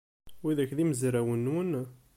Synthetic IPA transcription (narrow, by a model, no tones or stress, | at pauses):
wiðæçðiməzɾæwənːwən